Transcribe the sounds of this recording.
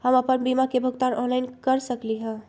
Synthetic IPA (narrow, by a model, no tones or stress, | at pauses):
həməpənbimakebʱəɡt̪anɔ̃nlaɪnkəɾsəkliɦə̃